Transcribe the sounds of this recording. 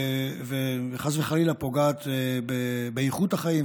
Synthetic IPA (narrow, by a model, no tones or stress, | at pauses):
veχazveχalilapo̞ɡaːt̪ebebeiχut̪haχaim